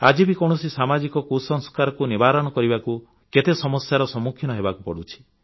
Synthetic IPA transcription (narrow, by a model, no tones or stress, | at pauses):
ad͡ʒibikɔɽ̃ɔsisamad͡ʒikɔkusɔŋskaɾɔkunibaɾɔɽ̃ɔkɔɾibaku | ket̪esɔmɔsjaɾɔsɔmukʰjɔnɔɦebakupɔɽut͡ʃʰi̥